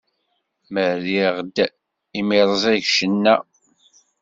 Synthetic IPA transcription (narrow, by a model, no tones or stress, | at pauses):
məɾiʁd̪ | imiɾˤəzˤæʝʃənːæ